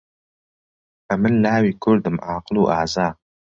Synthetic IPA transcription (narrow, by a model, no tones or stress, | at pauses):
ɐmɨnlaːwiːkʰʊɾd̪ɨmʔaːqɨluːʔaːzaː